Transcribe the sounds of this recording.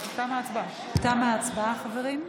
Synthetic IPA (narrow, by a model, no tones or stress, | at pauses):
t̪amaːt͡sba | t̪amaat͡sbaaχaveʁim